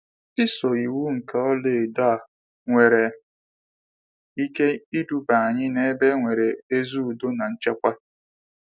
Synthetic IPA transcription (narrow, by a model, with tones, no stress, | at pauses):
ɪ˦so˨i˨wu˦ŋ̩˨ka˦ɔ˦le˨da˦˨ | ŋʷe˨ɾe˨˦ | i˦ke˦i˦du˨ba˨a˨ɲɪ˦ne˦e˦be˦ŋʷe˨ɾe˨e˦zu˦u˨do˦na˨n̩˦t͡ʃa˦kʷa˦